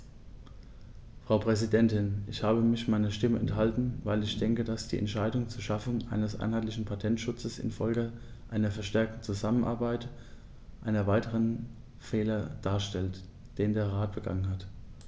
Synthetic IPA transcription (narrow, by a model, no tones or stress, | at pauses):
fʁ̥aʊpʁ̥ɛzidɛntɪnʔɪçhaːbəmɪçmaɪnɐʃtɪməɛnthaltn̩vaɪlɪçd̥ɛŋkədasd̥iːʔɛ̰ntʃaɪdʊŋt͡suːɐʃafʊŋʔa̰ɪnəsʔa̰ɪnhaɪtlɪçn̩pʰatʰɛntʃʊt͡səsɪ̰nfɔlɡəʔaɪnɐfɛɐʃtɛɐk̚tn̩t͡suzamənʔa̰ɐbaɪt | ʔaɪnɐvaɪtəʁən | fɛːlɐd̥aːɐʃtɛlt | d̥eːndeːɐʁaːt̚b̥əɡa̰ŋənɦat